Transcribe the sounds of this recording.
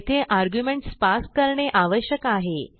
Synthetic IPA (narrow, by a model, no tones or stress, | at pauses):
t̪ʰeʔaɾɡjumeɳʈspas̚kəɾɳeʔaʋəɕjəkaɦe